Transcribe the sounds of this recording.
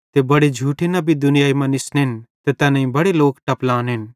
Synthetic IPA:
t̪ebɐɽed͡ʒʱuːʈʰenɐbʱid̪ʊnɪjaːimɐ̃nɪsnɦɪnt̪et̪ɛːnɐ̃ĩbɐɽeloːkʈɐplãːnɦɪn

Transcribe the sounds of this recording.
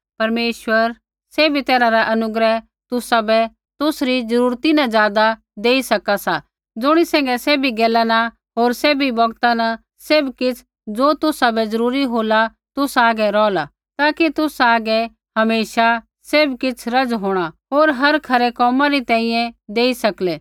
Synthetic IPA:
pɐɾmeːʃwəɾ | seːbʱit̪ɛːɾaɾaʔɐnʊɡɾɛ | t̪ʊsabɛ | t̪ʊsɾid͡zɐɾuːɾt̪inãd͡zjaːd̪a | d̪eːisɐkasa | d͡zʊɽ̃isɛ̃ːŋɡɛsɛːbʱiɡeːlaːna | ɦoːɾsɛːbʱibɐɡt̪anɐ | sebkɪt͡sʰ | d͡zoːt̪ʊsabɛd͡zɐɾuːɾiɦoːla | t̪ʊsaːɡɛɾɔːla | t̪aːkit̪ʊsaːɡɛ | ɦɐmeːʃa | seːbkɪt͡sʰɾɐd͡zɦoːɽ̃aɦoːɾɦɐɾkʰɐɾekɔːmãɾit̪ɛ̃ːĩjɛ̃d̪eːisɐklɛː

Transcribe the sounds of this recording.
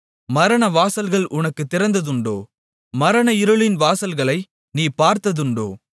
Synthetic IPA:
mɐɾɐɳɐʋaːsɐlɣɐɭʔʊnɐkːɯt̪ːɪɾɐnd̪ɐðɯɳɖo̰ː | mɐɾɐnɐɪɾɯɭɪnʋaːsɐlɣɐɭɐɪ | niːpaːɾt̪ɐðɯɳɖo̰ː

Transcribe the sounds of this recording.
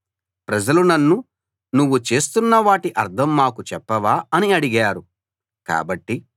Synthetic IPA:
pɾɐd͡ʒɐlunɐnːu | nuʋːut͡ʃe̞ːst̪unːɐʋaːʈiʔɐɾd̪ʰʱɐmːaːkut͡ʃɛpːɐʋaːɐniɐɽiɡaːɾu | ka̰ːbɐʈːi

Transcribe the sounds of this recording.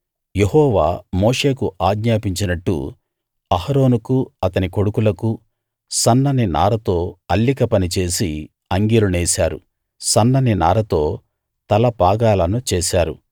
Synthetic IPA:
jehɔːʋaːmoːʂe̞ːkuʔaːɡɲaːpiɲt͡ʃinɐʈːṵ | ɐhɐɾo̞ːnukuɐt̪ɐniko̞ɽukulɐku | sɐnːɐnina̰ːɾɐt̪o̞ːɐlːikɐpɐnit͡ʃe̞ːsi | ɐŋɡiluneːsaːɾṵ | sɐnːɐninaːɾɐt̪o̞ː | t̪ɐlɐpaːɡaːlɐnut͡ʃeːsaːɾṵ

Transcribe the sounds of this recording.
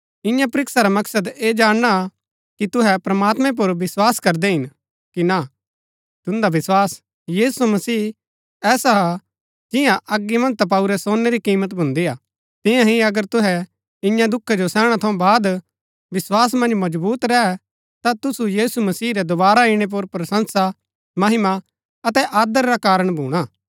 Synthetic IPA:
ɪ̃jãpɾɪksaɾamɐksəd̪eːd͡ʒaːɽɽ̃a | kit̪ʊɦɛpɾɐmaːt̪mɛ̃p̬ʊɾʋɪswaːskɐɾd̪ɛɦɪn | kina | t̪ʊ̃nd̪aʋɪswaːs | jiːsumɐsiː | ɛːsaɦa | d͡ʒɪjãʔɐɡːimɐ̃nt̪ap̬ɐuɾɛsoːnːeɾikiːmət̪bʱʊ̃nd̪iaː | t̪ɪ̃jãɦĩɐɡəɾt̪ʊɦɛ | ɪ̃jãd̪ʊkʰːɛd͡ʒosɛ̃ːɽ̃at̪ʰɐũbaːd̪ | ʋɪswaːs̬mɐ̃nd͡ʒmɐd͡ʒbuːt̪ɾɛɛ | t̪at̪ʊsujiːsumɐsiːɾɛd̪ʊbaːɾaɪɽ̃ep̬ʊɾpɾɐsə̃nsa | mɐɦɪma | ɐt̪ɛʔaːd̪əɾːakaːɾəɽ̃bʱuːɽ̃aː

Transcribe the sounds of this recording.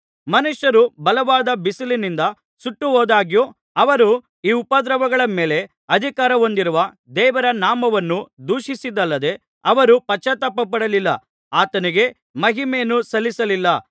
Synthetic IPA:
mɐnuʃjɐɾubɐlɐʋaːd̪ɐbisilinind̪ɐ | suʈːuɦoːd̪aːɡjoː | ɐʋɐɾu | iːupɐd̪ɾɐʋɐɡɐɭɐme̞ːle̞ | ɐd̪ʱikaːɾɐo̞nd̪iɾuʋɐ | d̪ɛːʋɐɾɐnaːmɐʋɐnːud̪uːʃisid̪ɐlːɐd̪e̞ | ɐʋɐɾupɐt͡ʃːɐt̪ɐpːɐp̬ɐɽɐlilːɐ̰ | aːt̪ɐniɡe̞ | mɐɦimeːnusɐlːisɐlilːɐ

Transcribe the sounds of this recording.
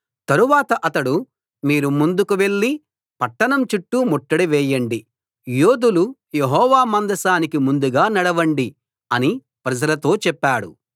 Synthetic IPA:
t̪ɐɾuʋaːt̪ɐʔɐt̪ɐɽu | miːɾumund̪ukuʋe̞ɭːi | pɐʈːɐɳɐmt͡ʃiʈːumoʈːɐɽiʋɛːjɐɳɖi | joːd̪uluje̞ɦɔːʋaːmɐnd̪ɐsaːnikimund̪uɡaːnɐɽɐʋɐɳɖi | ɐni | pɾɐd͡ʒɐlɐt̪o̞ːt͡ʃɛpːaːɽṵ

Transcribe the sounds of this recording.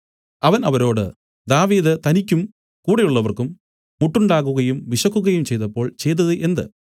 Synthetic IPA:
ɐʋɐnɐʋɐɾo̞ːɽɨ̰ | d̪aːʋiːd̪ɨt̪ɐnikʲːum | kuːɽejuɭːɐʋɐrkumː | uʈːuɳɖaːkːuɣɐjumʋiʂɐkːuɣɐjumt͡ɕe̞jt̪ɐpːo̞ːɭt͡ɕe̞jt̪̬ːɐðɨʔe̞nd̪ɨ̰

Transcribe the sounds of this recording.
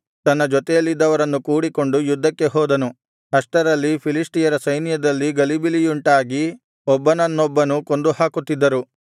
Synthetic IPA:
t̪ɐnːɐd͡ʒɔt̪ɛjɐlːid̪ːɐʋɐɾɐnːukuːɽiko̞ɳɖujud̪ʱːɐkːe̞ɦɔːd̪ɐnu | ɦɐʂʈɐɾɐlːipʰilisʈijɐɾɐsɐjnijɐd̪ɐlːiɡɐlibilijuɳʈaːɡi | ɔbːɐnɐnːɔbːɐnuko̞nd̪uhaːkut̪ːid̪ːɐɾu

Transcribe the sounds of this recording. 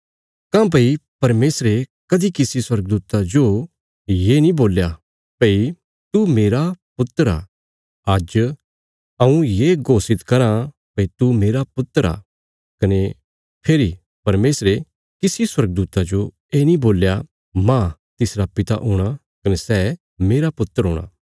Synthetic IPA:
kãp̬ɐipɐɾmeːsɾekɐd̪ikɪsiswɐɾɡd̪uːt̪ad͡ʒo | jenĩboːlja | pɐi | t̪umeːɾapʊt̪əɾa̰ː | ɐd͡ʒ | ɐũjeɡoːsɪt̪kɐɾã | pɐit̪umeːɾapʊt̪ːəɾa̰ː | kɐne | pʰeːɾi | pɐɾmeːsɾe | kɪsiswɐɾɡ̚d̪uːt̪ad͡ʒo | eːnĩboːlja | mã | t̪ɪsɾapɪt̪a̰ʔʊːɽ̃a | kɐnesɛː | meːɾapʊt̪ːəɾɦõ̰ːɽ̃a̰ː

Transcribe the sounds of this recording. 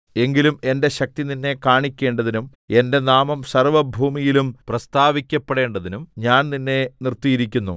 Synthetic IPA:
e̞ŋɡilume̞nde̞ɕɐk̚t̪ininːe̞kaːɳikʲːe̞ːɳɖɐðinum | e̞nde̞naːmɐmsɐrʋɐbʱuːmijilumprɐst̪aːʋikʲːɐpːeɽe̞ːɳɖɐðinumɲaːnninːe̞nirt̪ijiɾik̬ʲːunːṵ

